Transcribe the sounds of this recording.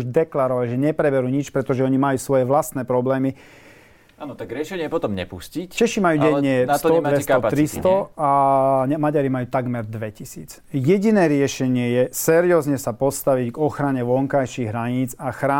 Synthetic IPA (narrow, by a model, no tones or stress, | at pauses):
uʒd̪ɛklaɾɔʋalʒɛɲɛpɾɛbɛɾuːɲit͡ʃpɾɛt̪ɔʒɛɔɲimajuːsʋɔjɛʋlast̪nɛːpɾɔblɛːmi | anɔt̪aɡɾɪɛʃɛɲɪɛɛpɔt̪ɔmɲɛ̰puscict͡ʃɛʃimajuːɟɛɲɲːɛnst̪ɔɛɛkaɔpat̪ɾist̪ɔaɲɛmaɟaɾimajuːt̪aɡmɛɾd̪ʋɛcisḭːt͡s | jɛɟinɛːɾɪɛʃɛɲɪɛjɛsɛɾiɔːzɲɛsapɔst̪aʋiɟɡɔxɾaɲɛʋɔŋkajʃiːɣɦɾaɲiːd͡zaxɾaː